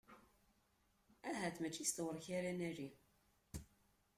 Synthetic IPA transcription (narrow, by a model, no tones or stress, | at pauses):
æɦæθmət͡ʃːist̪wəɾˤçaɾænæɾi